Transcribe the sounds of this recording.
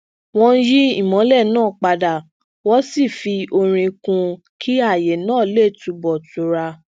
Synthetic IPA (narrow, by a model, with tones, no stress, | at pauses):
w̃ɔ̃˧n̩˦ji˦i˦˨mɔ̃˨˦lɛ˦˨nãː˦˨k͡pa˧da˨ | wɔ˦si˦˨fi˧o˧ɾ̃ĩ˧kũ˧ | kʰi˦a˦˨je˨nãː˦˨˦le˦˨tu˨˧bɔ˨tu˧ɾa˧